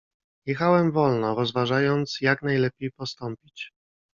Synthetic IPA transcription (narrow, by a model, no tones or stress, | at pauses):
jɛxawɛmvɔlnɔɾɔzvaʐajɔnt̪sjaknajlɛpʲjejpɔst̪ɔmpʲit͡ɕ